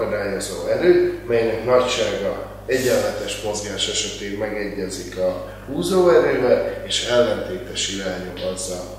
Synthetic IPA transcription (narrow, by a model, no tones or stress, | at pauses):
od̪aːjozoːɛɾøːmɛjnɛknɒcʃaːɡɒ | ɛɟɛlmɛt̪ɛʃmo̞zɡaːʃɛʃɛt̪eːmɛɡɛɟːɛzikɒ | huːzoːɛɾøːvɛleːʃɛlːɛnt̪eːt̪ɛʃilɛːɲomɒzːɒl